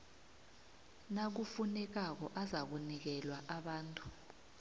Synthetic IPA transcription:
nak̬ufunɛk̬ak̬ɔʔazak̬unik̬ɛlwaʔaɓaːntʼu̥

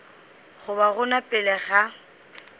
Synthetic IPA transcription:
ɣʊbaɣʊnapʼɪlɛɣa

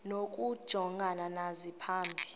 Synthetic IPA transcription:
nok̬ʼud̥ʒ̥ʱɔŋɡʱananazipʰaːmbʱi

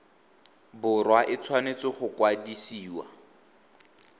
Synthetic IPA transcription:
bʊrwaʔɪt͡sʰwanet͡sɔχʊkwadisiːwa

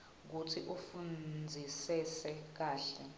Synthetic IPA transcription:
k̬utʰiʔufund͡zʱisɛsɛk̬aːɬɛ

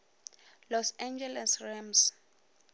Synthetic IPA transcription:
lɔsɛnd͡ʒɛlɛsrɛms

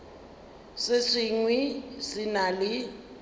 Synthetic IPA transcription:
sɪʂiŋwisinalɪ

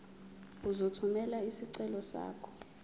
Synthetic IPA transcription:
uzotʰumɛlaisiǀɛlɔsa̰ːkʰɔ̥

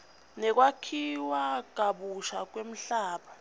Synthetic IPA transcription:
nɛk̬wakʰiwaɡ̥̬ʱaɓuʃak̬wem̩ɬaːɓa

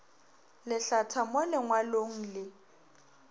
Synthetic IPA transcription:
lɪɬatʰamʊlɪŋwaloŋ̩lɪ

